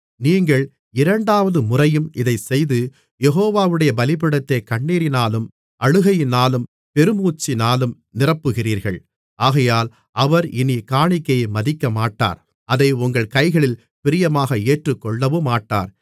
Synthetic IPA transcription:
niːŋɡɐɭ | ɪɾɐɳɖaːʋɐðɯmʊrɐjɯmɪðɐɪsɛjðɯ | jɛɣoːʋaːʋɯɽɐjɐbɐlɪpɪɽɐt̪ːɐɪkɐɳːiːɾɪnaːlɯm | ʔɐɻɯɣɐjɪnaːlɯm | pɛɾɯmuːt͡ʃːɪnaːlɯm | nɪrɐpːɯɣɪriːɾɣɐ̰ɭ | aːɣɐjaːl | ʔɐʋɐɾɪnikaːɳɪkːɐjɐmɐðɪkːɐmaːʈːa̰ːɾ | ɐðɐɪʊŋɡɐɭkɐɪɣɐɭɪl | pɪɾɪjɐmaːɣɐeːʈrɯkːɔɭːɐʋɯmaːʈːa̰ːɾ

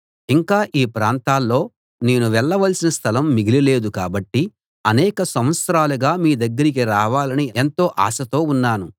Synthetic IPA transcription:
iŋkaːʔiːpɾaːnt̪aːlːo̞ː | ne̞ːnuʋɛɭːɐʋɐlsinɐst̪ʰɐlɐmːiɡilile̞ːd̪ukaːbɐʈːi | ɐnɛːkɐsɐmʋɐt̪sɾaːluɡaːmiːd̪ɐɡːɐɾik̬iɾaːʋaːlɐnient̪o̞ːʔa̰ːsɐt̪o̞ːunːaːnu

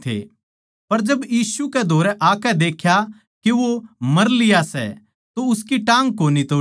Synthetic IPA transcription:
t̪ʰḛ | pɐɾd͡ʒɐbjiːsukɛd̪ʱoːɾɛʔaːkɛd̪eːkʰja | kiʋomɐɾlɪjasɛ̰ | t̪oʊskiʈãːŋɡkoːnit̪oː

